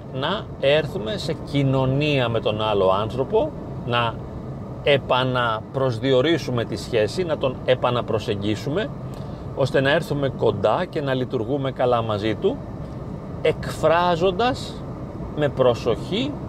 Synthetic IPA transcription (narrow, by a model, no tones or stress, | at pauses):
nɐ | e̞ɾθume̞se̞cino̞niɐme̞t̪o̞nɐlo̞ɐnθɾo̞po̞ | nɐ | epɐnɐpɾo̞zðio̞ɾisume̞t̪isçe̞sinɐt̪o̞ne̞pɐnɐpɾo̞se̞ɲɟisume̞ | o̞st̪e̞nɐe̞ɾθume̞ko̞nd̪ɐce̞nɐlit̪uɾɣume̞kɐlɐmɐzit̪u | e̞kfɾɐzo̞nd̪ɐz | me̞pɾo̞so̞çi